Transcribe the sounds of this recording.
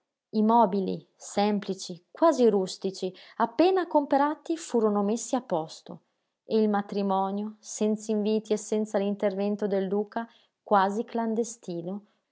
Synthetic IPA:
imɔːbilḭ | sɛmplit͡ʃikwaːziɾust̪it͡ʃiapːeːnakompeɾaːt̪ifuːɾonomesːiapːɔst̪o | eilmat̪ɾimɔːnjosɛnt̪saiɱviːt̪iesːɛnt̪salint̪ervɛnt̪od̪eld̪uːka | kwaːzikland̪est̪iːno

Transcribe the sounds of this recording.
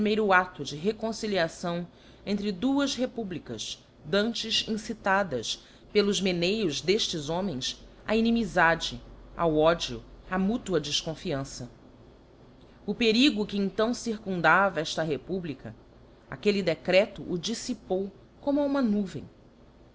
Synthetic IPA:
pɾimejɾʊat̪ʊd͡ʒɪɦekõsiliasɐ̃w̃ | ẽnt̪ɾɪd̪uɐsɦepublikɐ̰ʃ | d̪ɐ̃nt͡ʃɪʃĩsit̪ad̪ɐs | pelʊzmenejʊzd̪eʃt͡ʃɪzõmẽj̃s | a̰inimizad͡ʒɪa̰wɔd͡ʒiʊamut̪uɐd͡ʒiskõfiɐ̃sɐ | ʊpeɾiɡʊkɪẽñt̪ɐ̃w̃siɾkũnd̪avɐɛʃt̪ɐɦepublikɐ | a̰kelid̪ekɾɛt̪ʊʔːd͡ʒisipow | kõmʊaũmɐnuvḛ̃j̃

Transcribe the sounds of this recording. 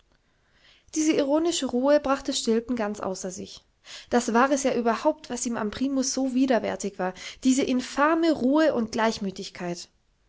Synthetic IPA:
d̥iːzəiʁoːnɪʃəʁuːəbʁaχtəʃtɪlpn̩ɡant͡sʔa̰ʊsɐzɪ̰ç | d̥asv̥aːʁɛsjaːʔyːbɐhaʊp̚tv̥asʔiːma̰mpʁ̥iːmʊsz̥oːviːdɐvɛ̰ɐtɪçv̥aːɐd̥iːzəʔɪnfɛɐməʁuːəʔʊnt̚ɡ̥laɪçmyːtɪçkʰaɪt

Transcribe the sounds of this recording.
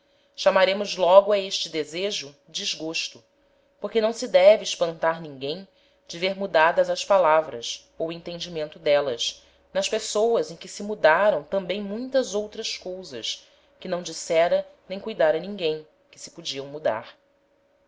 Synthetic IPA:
ʃamaɾẽmʊzlɔɡʊaeʃt͡ʃɪd̪ezeʒʊ | d͡ʒiʒɡoʃt̪ʊ | poɾkenɐ̃w̃sɪd̪ɛvɪːʃpɐ̃nt̪aɾnĩŋɡẽj̃ | d͡ʒɪveɾmud̪ad̪ɐzɐʃpalavɾɐ̰s | owẽnt̪ẽnd͡ʒimẽnt̪ʊd̪ɛlɐs | nɐʃpesowɐzẽj̃kɪsɪmud̪aɾɐ̃w̃t̪ɐ̃mbẽj̃mũj̃t̪ɐzowt̪ɾɐskowzɐ̰s | kɪnɐ̃w̃d͡ʒisɛɾɐnẽj̃kujd̪aɾɐnĩŋɡẽj̃ | kɪ̥sɪ̥pud͡ʒiɐ̃w̃mud̪a̰ɾ

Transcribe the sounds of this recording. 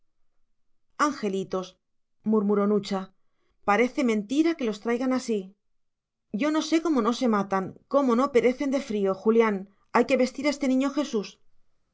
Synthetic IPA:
aŋxe̞lit̪o̞s | muɾmuɾo̞nut͡ʃa | paɾe̞θe̞mẽ̞nt̪iɾake̞lo̞st̪ɾajɣanasi | ɟ͡ʝo̞no̞se̞ko̞mo̞no̞se̞mat̪aŋko̞mo̞no̞pe̞ɾe̞θe̞nd̪e̞fɾio̞xuljan | ajke̞βe̞st̪iɾaest̪e̞nĩɲo̞xe̞sus

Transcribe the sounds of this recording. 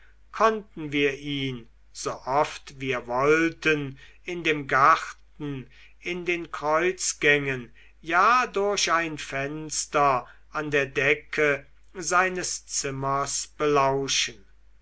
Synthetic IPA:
kʰɔntn̩viːɐʔiːn | z̥oːʔɔftviːɐvɔltənɪndeːmɡaχtn̩ | ɪndeːnkʁ̥ɔʏt͡sɡ̥ɛŋən | jaːdoɐɕaɪnfɛnstɐ | andeːɐdɛkʰə | zaɪnəst͡sɪmɐsb̥əlaʊʃən

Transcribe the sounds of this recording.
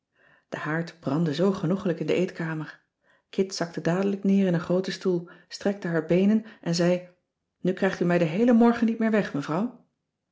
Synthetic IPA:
d̥əhaːɹtbrɑndəzowχənuχləkɪndəʔejtkaːməɹ | kʰɪtsɑk̚tədaːdələknɪːɹɪnənχrowtəstulˠstrɛk̚təɦaːɹbejnənʔɛnzɛj | nykrɛjχtymɛjdəɦejləmɔɹχənit̚mɪːɹʋɛχməvrɑw

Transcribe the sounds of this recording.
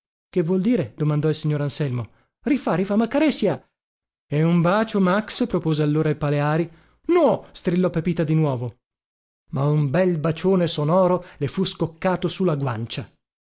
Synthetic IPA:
kevːwɔld̪iːɾed̪̥omand̪ɔilsiɲːoːɾansɛlmo | rifaɾifamːakːaɾɛsja | ɛumbaːt͡ʃomakspɾopoːzealːoːɾailpaleaːɾi | nɔst̪ɾilːɔpepiːt̪ad̪inwɔːvo | maumbɛlbat͡ʃoːnesonɔːɾolefuskokːaːt̪osulːaɡwant͡ʃa

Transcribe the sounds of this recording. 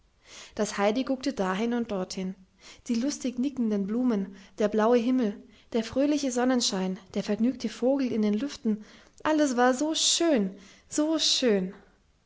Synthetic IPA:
d̥ashaɪdiɡʊk̚tədaːɦɪnʊnt̚d̥ɔɐthɪn | d̥iːlʊstɪçnɪkn̩dənbluːmənd̥eːɐblaʊəɦɪml̩ | d̥eːɐfʁ̥øːlɪçəzɔnənʃaɪnd̥eːɐfɛɐɡnyːktʰəfoːɡl̩ɪndeːnlʏftn̩ | ʔaləsv̥aːɐzoːʃøːnz̥oːʃøːn

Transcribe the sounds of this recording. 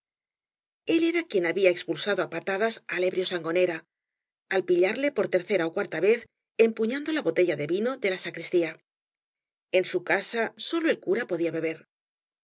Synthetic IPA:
e̞le̞ɾakje̞naβiae̞kspulsaðoapat̪aðasale̞βɾjo̞saŋɡo̞ne̞ɾa | alpiʎaɾle̞po̞ɾt̪e̞ɾθe̞ɾaokwaɾt̪aβe̞θ | e̞mpuɲãnd̪o̞laβo̞t̪e̞ʝaðe̞βino̞ðe̞lasakɾist̪ia | e̞nsukasaso̞lo̞e̞lkuɾapo̞ðiaβe̞β̞e̞ɾ

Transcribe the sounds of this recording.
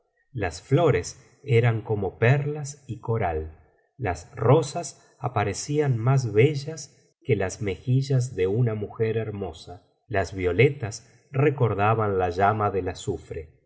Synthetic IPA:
lasflo̞ɾes | eɾaŋko̞mo̞pɛɾlasiko̞ɾalː | asro̞sas | apaɾesianmaz̬βeʒas | kelazme̞xiʒaz̬ðeunamuxeɾeɾmo̞sa | lazβjo̞let̪as | reko̞ɾðaβanlaʒamaðelasufɾe

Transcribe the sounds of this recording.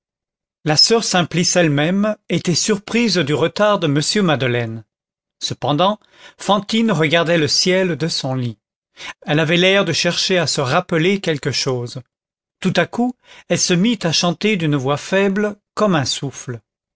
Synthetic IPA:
lasœʁsɛ̃plisɛlmɛmet̪ɛsyʁpχizd̪yʁət̪aʁd̪əməsjømad̪əlɛn | səpɑ̃d̪ɑ̃ | fɑ̃t̪inʁəɡaʁd̪ɛləsjɛld̪əsɔ̃li | ɛlavɛlɛʁd̪əʃɛʁʃeasəʁapəlekʲɛlkəʃoːz | t̪ut̪akuɛlsəmit̪aʃɑ̃t̪ed̪ynəvwafɛbləkɔmɛ̃sufl

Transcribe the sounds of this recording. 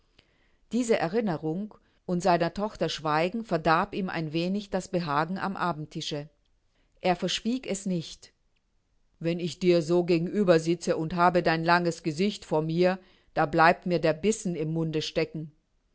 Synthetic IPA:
d̥iːzəʔɛɐʁ̞ɪnəʁʊŋ | ʔʊntz̥aɪnɐtʰɔχtɐʃv̥aɪɡŋ̩fɛɐdaɐpiːmʔa̰ɪnveːnɪçd̥asb̥əɦaːɡŋ̩ʔa̰mʔaːbm̩tʰɪʃə | ʔeːɐfɛɐʃv̥iːkɛsnɪçt | vɛnɪçd̥iːɐzoːɡeːɡŋ̩ʔyːbɐzɪt͡səʔʊnthaːbədaɪnlaŋəsɡ̥əzɪçtfoːɐmiːɐ | d̥aːblaɪp̚tmiːɐdeːɐbɪsn̩ɪmːʊndəʃtɛkŋ̩

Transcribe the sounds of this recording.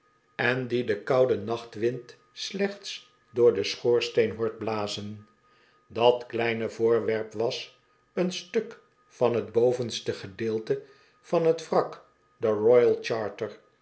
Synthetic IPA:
ɛndidəkɑwdənɑχtʋɪnt | slɛχts | dʊːɹdəsχoːɹstejnɦoːɹd̚blaːzən | dɑtklɛjnəvʊːɹʋɛɹpʋɑs | ənstɵk | fɑnɦədbowvənstəχədɪːlˠtə | vɑnɦətfrɑk | dərɔjəlˠt͡ʃɑːɹtəɹ

